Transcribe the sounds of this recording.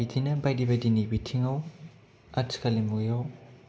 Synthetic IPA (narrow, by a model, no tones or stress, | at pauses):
idinɐbajdibɐdinibitʰiŋɐw | at͡ʃkʰalimujaw